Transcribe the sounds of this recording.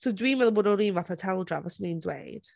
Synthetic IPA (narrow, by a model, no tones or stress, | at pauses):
sowdwiːnmɛðˠbɔːdɔɾiːnvaθatʰɛlˠdra̰vasnindwḛjd̥